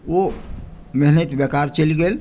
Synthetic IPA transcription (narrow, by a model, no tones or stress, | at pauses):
o | miɦnət̪bjekaɾt͡ʃəlɡel